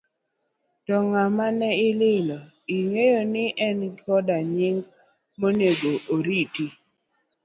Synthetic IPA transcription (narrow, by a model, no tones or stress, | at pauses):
tɔŋamanɛɪlɪlɔ | iŋejonɪʔɛnɡɔdaɲɪŋ | moneɡoʔoɾiti